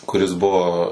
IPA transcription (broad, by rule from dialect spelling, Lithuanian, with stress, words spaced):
kʊˈrʲɪs ˈbʊʋoː